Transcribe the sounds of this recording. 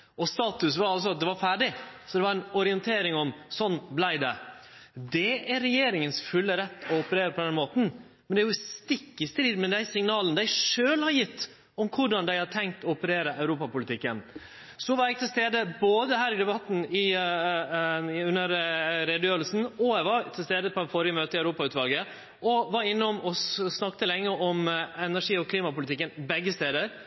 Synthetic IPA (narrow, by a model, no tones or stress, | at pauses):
ɔst̪ɑːt̪ʉsʋɑɾɑls̬ɔɑt̪̚d̪ɛʋɑɾfæːɖɪsɔd̪ɛʋɑɾɛnɔɾɪənt̪ʰeːɾɪŋɔmsɔnːblæɪd̪ɛ | d̪ɛæɾːɛjeːɾɪŋənsfʉlːəɾɛt̪ːɔɔpəɾeːɾəpʰɔd̪ɛnmoːt̪n̩ | mɛnd̪ɛæːjʊst̪ɪkːɪst̪ɾiːd̪mɛd̪æɪsɪŋnɑːlənəd̪æɪʂøːlhɑɾjɪt̪ː | ɔmkʰʊɖɑnd̪æɪhɑʈ̪ʰɛŋk̚t̪ɔɔpəɾeːɾəʔæʉɾuːpɑpʊlɪt̪ɪkːən | sɔʋɑɾjɛɡ̚t̪ʰɪlst̪eːd̪əboːd̪əɦæːɾɪd̪ɛbɑt̪ːn̩ɪ | ʉnːəɾɾɛd̪jøːɾlsn̩ɔæɪʋɑɾt̪ʰɪlst̪eːd̪əpʰɔfɔɾɪəmøːt̪əɪœʉɾuːpɑʉːt̪ʋɑlɡə | ʔɔʋɑɾɪnːəɔmɔsnɑkt̪əlɛŋːəɔmɛnæʂiːɔkʰliːmɑpʊlɪt̪ɪkːənbɛɡːəst̪eːd̪əɾ